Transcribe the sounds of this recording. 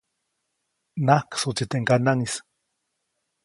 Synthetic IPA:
nahksut͡sit̪eŋkanaŋis

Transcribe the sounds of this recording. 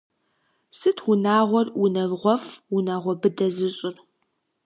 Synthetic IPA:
sɨtʰwʊnaːʁʷɔrʊnɐvʁʷɔfwunaːʁʷɔbɨdɐzɨɕʼɪr

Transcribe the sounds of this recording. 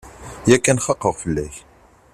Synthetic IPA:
jækːænχɑqːəʁfəlːæ̰ç

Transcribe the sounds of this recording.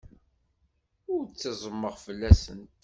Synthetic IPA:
ʊɾt͡sːɑzˤəmːəʁfəlːæsənt̪

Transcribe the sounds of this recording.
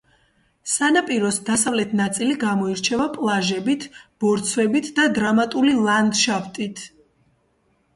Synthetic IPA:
sanapʼiɾɔsd̪asavlɛt̪ʰnat̪sʼiliɡamɔiɾt͡ʃʰɛvapʼlˠaʒɛbit̪ʰb̥ɔɾt̪sʰvɛbit̪ʰd̪ad̪ɾamat̪ʼulilˠand̪ʃaft̪ʼit̪ʰ

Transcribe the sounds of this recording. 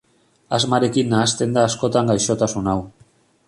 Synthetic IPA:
azmaɾe̞kinːaːst̪e̞nd̪aːsko̞t̪aŋɡajʃo̞t̪asunaw

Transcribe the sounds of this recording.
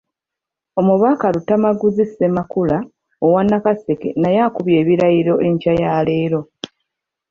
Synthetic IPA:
o̞muβaːkalutːamaɡuzisemakula | owanːakase̞ke̞̰najaːkuβje̞ːβiɾaiɾo̞ʔe̞ɲcajaːle̞ːɾo̞

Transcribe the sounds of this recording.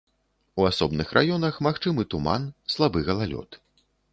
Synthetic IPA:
uasɔbnɨxrʔa̰jɔnɐxmaxt͡ʂɨmɨt̪uma̰nslˠabɨɣɐlˠalʲɔ̰t̪

